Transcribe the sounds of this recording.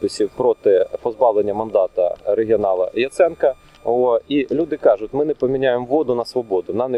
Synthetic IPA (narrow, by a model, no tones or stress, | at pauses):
pɪsʲiwpɾɔt̪ɪpɔzbɑʋlˠenʲːɐmɐnd̪ɑt̪ɐ̰ɾeɦʲiɔnɑlˠɐ̰jɐt̪sɛnkɐ | ɔoilʲud̪ɪkɑʒʊtʲmɪnɛpɔmʲinʲajemʋɔd̪ʊnɐsʋɔbɔd̪ʊnɑnɛ